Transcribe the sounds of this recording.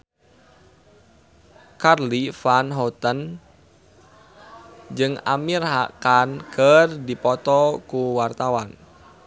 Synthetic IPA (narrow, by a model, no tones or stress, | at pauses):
karlifanɦɔt̪ən | d͡ʒɨŋa̰mirɦakankʰərdipɔt̪ɔkuwart̪awan